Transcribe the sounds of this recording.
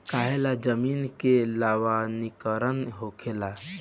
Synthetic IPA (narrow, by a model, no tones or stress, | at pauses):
kaːɦelad͡ʒəmiːnkelaːwanikəɾənɦokʰela